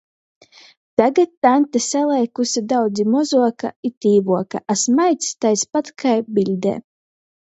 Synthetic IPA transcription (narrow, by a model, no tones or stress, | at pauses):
t̪aɡat̪ːant̪asalˠɛjkusʲid̪awd̪zimɔzuɔkait̪ʲiːvuɔka̰ʔasmajt̪ʲsʲt̪ajspat̪kʰajbilʲd̪ḛː